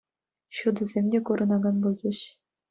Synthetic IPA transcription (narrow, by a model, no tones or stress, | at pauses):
ɕud̪ɤ̆zʲemʲdʲekuɾɤ̆nɑɡɑnbulˠd͡ʑɘ̆ɕ